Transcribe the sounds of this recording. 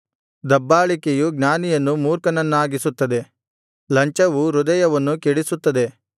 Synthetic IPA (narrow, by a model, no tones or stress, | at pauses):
d̪ɐbːaːɭikejuɡnaːnijɐnːumuːɾkɐnɐnːuaːɡisut̪ːɐd̪e̞ | lɐɲt͡ʃɐʋuɾud̪ɐjɐʋɐnːukɛɽisut̪ːɐd̪e̞